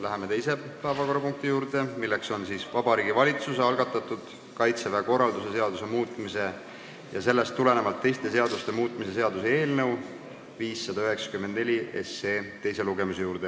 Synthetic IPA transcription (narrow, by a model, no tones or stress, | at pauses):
læɦeme̞t̪e̞jse̞pæːvɑko̞ɾɑpuŋk̚t̪ijuːɾd̪e̞milːekso̞nsiːsvɑbɑɾiːɡivɑlʲit̪suseɑlɡ̥ɑt̪ːˑɑt̪ːˑud̪̥ | kɑjt̪sevæko̞rːɑld̪use̞se̞ɑd̪use̞muːt̪ˑmise̞ | jɑse̞lːest̪ːule̞ne̞vɑlt̪ːe̞jst̪e̞s̬e̞ɑd̪ust̪e̞muːt̪ːˑmise̞seɑd̪usee̞ːlnɤw | viːsːɑd̪̥ɑyɦe̞ksɑ̥kymːend̪ne̞lʲie̞̰seːt̪ːe̞jse̞luɡe̞muse̞juːɾd̪̥e